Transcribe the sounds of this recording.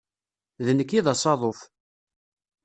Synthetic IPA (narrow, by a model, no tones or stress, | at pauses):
ðənəkːiðɑsˤɑðˤof